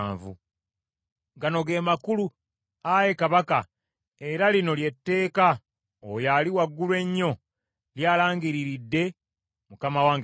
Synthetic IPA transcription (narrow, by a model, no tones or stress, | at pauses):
vṵ | ɡano̞ɡe̞ːmakulu | aje̞kaβaka | e̞ɾalino̞lje̞tːe̞ːka | ojaliwaɡːulwe̞ɲːo̞ | ljaːlaːŋɡiɾiɾidːe̞ | mukamawaŋ